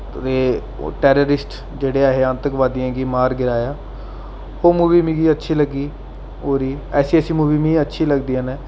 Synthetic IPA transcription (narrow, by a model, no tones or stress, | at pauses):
ɾeː | ʈɛːɾoːɾɪsʈ | d͡ʒeːɽeːaːɦeːãːnt̪əkʋaːd̪ijãːɡiːmaːɾɡɪɾaːjaː | oːmuːʋiːmĩːɡiːətːʃʰiːləɡiː | oːɾiːɛːsiːəsiːmuːʋiːmĩːətːʃʰiːləɡd̪iːãːnɛː